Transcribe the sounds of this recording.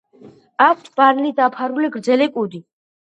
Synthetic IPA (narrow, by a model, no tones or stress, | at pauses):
akʷʰt̪ʰb̥aɾlid̪apʰaɾulɛɡɾd̪zɛlɛkʼud̪i